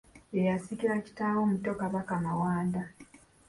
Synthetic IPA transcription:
ejasiciɾaci̥taːwoːmutokaβakamawaːnda

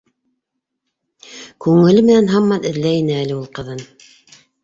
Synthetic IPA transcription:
kʉŋɘ̆lɘmɘ̆nænɦɑmːɑnɘ̆ðlæjinɘælɘulˠqɤ̆ðɤn

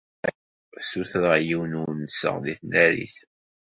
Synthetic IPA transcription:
suθɾəʁjiwnunsə̰ʁðiθnæɾḭθ

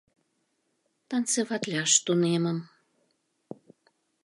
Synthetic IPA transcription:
t̪ɑnt͡seβɑt̪lʲɑʃt̪uneməm

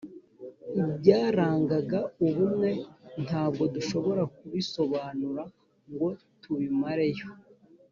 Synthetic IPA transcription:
ibɟaːɾaːŋɡaɡauβumŋe̞n̥haːbɡo̞duʃo̞βo̞ɾak̚uβiso̞βaːnuɾa | ŋɡo̞ | tuβimaɾe̞jo̞

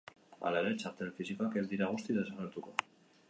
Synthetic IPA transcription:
a̰laeɾe̞t͡ʃaɾt̪e̞lfisikoake̞zd̪iɾaɣ̞ust̪iðe̞saɣeɾt̪uko̞

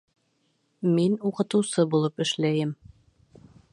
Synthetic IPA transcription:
minuqɤ̆t̪ɤ̆wsɤbulˠɤpɘ̆ʃlæjɘm

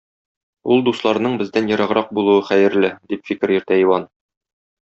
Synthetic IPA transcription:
ulˠd̪uslˠɑɾnɤɴbɘ̆zd̪ænjɤ̆ɾɑʁɾɑq̚bulˠuwɤχæjɘ̆ɾlɘd̪ipfikɘɾjɵ̆ɾt̪æiwɑn

